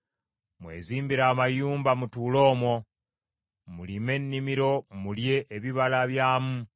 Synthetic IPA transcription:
mwe̞̰ːziːmbiɾaːmajuːmbamutuːlo̞ːmwo̞ | mulime̞nːimiɾo̞mulje̞ʔːβiβalaβjaːmu

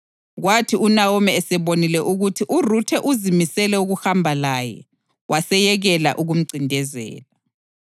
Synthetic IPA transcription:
ɣwatʰiunawɔmɛːsɛβonilɛʔuɣutʰiʔurutʰɛʔuzimisɛlɛuɣuhambʱalajɛ̰ | wʔasɛjɛɣɛla̰ʔuɣum̩ǀʱindʱɛzɛ̰ːla

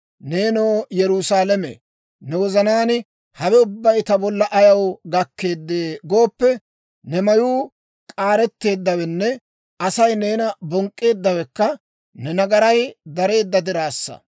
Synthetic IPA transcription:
neːnoːjɛɾusaːlɛmḛ | nɛwɔzɐnaːnɪ | hɐwɛʊbːɐjt̪ɐbɔlːɐʔɐjɐwɡɐkːe̞ːd̪ːe̞ːɡo̞ːpːɛ | nɛmɐjuː | kʼaːɾɛt̪ːe̞ːd̪ːɐwɛnːɛ | ɐsɐjne̞ːnɐbɔŋkʼːe̞ːd̪ːɐwɛkːɐ | nɛnɐɡɐɾɐjd̪ɐɾe̞ːd̪ːɐd̪ɪɾaːsːɐ̰

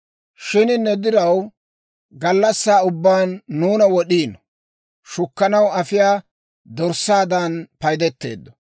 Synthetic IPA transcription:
ʃɪnɪnːɛd̪ɪɾɐw | ɡɐlːɐsːaːʊbːaːnːuːnɐwɔɗiːn | ʃʊkːɐnɐwɐfɪjaː | d̪ɔɾsːaːd̪anpɐjd̪ɛt̪ːe̞̰ːd̪ːɔ̥

